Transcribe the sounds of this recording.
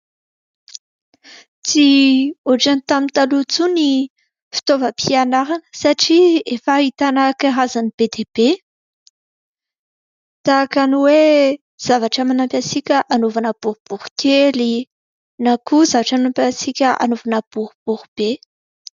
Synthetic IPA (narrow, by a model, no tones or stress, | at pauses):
t͡sioʈ͡ʂanit̪amint̪alut͡suni | fi̥t̪ovəpʰianaɾanə̥saʈ͡ʂiefaɦit̪anakaɦazanib̥ed̪eb̥e | t̪akaniwe | z̥avaʈ͡ʂəmanampʲasikʲəʔanovanəb̥uɾub̥uɾukʲʰeli | nakuzavaʈ͡ʂanampʲasikʲəʔa̰novanəb̥uɾub̥uɾub̥e